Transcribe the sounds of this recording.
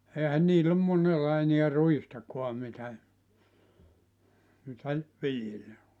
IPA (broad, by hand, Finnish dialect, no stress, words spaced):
eːhæn niːlː om monelːɑ eniæ ruistɑkuɑ mitæ mitæ ʋiljelːæ